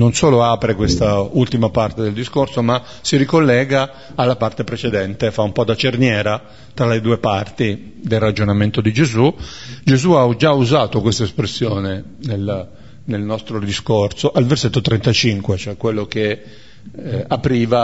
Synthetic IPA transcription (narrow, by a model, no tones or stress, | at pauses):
nonsoːloaːpɾekwest̪ault̪imapart̪ed̪eld̪iskorsoma | siɾikolːɛːɡaː | lːapart̪epɾet͡ʃed̪ɛnt̪efaumpɔd̪at͡ʃernjɛːɾa | t̪ɾaled̪uːepart̪i | d̪elrad͡ʒonament̪od̪id͡ʒezu | d͡ʒezuaud͡ʒauzaːt̪okwest̪aespɾesːjoːne | nel | nelnɔst̪ɾod̪iskorsoʔalverset̪ːot̪ɾɛnt̪at͡ʃiŋkwet͡ʃoɛkwelːoke | apɾiːva